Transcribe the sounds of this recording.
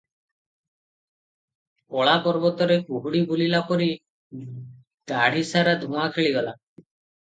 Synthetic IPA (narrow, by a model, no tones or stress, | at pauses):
ɔɭapɔɾbɔt̪ɔɾekuɦuɽibulilapɔɾi | ɡaɽ̤isaɾad̪ʱũakʰeɭiɡɔla